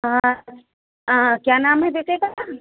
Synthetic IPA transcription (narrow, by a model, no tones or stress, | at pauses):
ɦã | ɦãːkjaːnaːmɦɛbeːkeka